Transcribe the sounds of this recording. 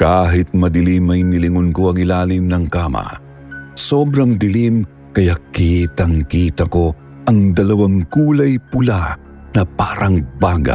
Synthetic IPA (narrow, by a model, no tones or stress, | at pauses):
kaːɦɪt̪̚mɐd̪ɪlimɐjmɪlɪŋonkoɐŋɪlaːlɪmnɐŋkaːmɐ̰ | soːbɾɐŋd̪ɪlim | kɐjakiːt̪ɐŋkiːt̪ɐko̞ | ʔɐŋd̪ɐlɐwaŋkuːlɐjpʊla | nɐpaɾɐŋbaːɡɐ̰